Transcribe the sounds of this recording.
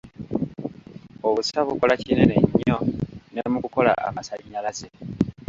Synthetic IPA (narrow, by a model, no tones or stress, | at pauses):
oβusaβuko̞lacineneɲːonemukuko̞la̰a̰masaɲːalaze